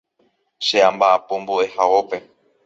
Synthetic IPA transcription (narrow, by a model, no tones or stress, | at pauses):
ʃeãmbaapõmboʔe̞hawope̞